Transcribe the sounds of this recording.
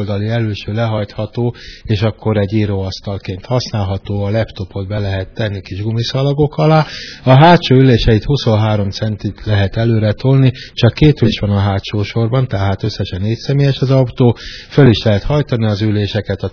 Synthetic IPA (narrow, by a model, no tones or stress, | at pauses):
ld̪ɒliɛløːʃøːlɛɦɒjt̪hɒt̪oːeːʃɒkːo̞ɾɛɟːiːɾoːɒst̪ɒlkeːnt̪hɒsnaːlɦɒt̪oːɒlɛpt̪o̞po̞d̪bɛlɛɦɛt̪ːɛnːikiʒɡumisɒlɒɡo̞kɒlaːɒɦaːt̪ʃoːyleːʃɛit̪huso̞nɦaːɾo̞mt̪sɛnt̪it̪lɛɦɛt̪ɛløːɾɛt̪olnit͡ʃɒkːeːt̪eːʃʋɒnɒɦaːt̪ʃoːʃo̞rbɒnt̪ɛɦaːt̪ø̞sːɛʃɛneːcsɛmeːjɛʃɒzɒwt̪oːføliʃlɛɦɛt̪hɒjt̪ɒniɒzyleːʃɛkɛt̪ɒ